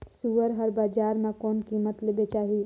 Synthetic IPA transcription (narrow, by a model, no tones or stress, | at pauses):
suʋəɾɦəɾbaːd͡ʒaːɾmẽkɔːnkiːmət̪lebet͡ʃaːɦi